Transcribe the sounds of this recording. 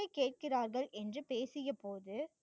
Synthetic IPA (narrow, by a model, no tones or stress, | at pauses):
ɐɪkːeːʈ̚kɪraːɾɣɐɭʔɛndrɯpeːsɪjɐpoːðɯ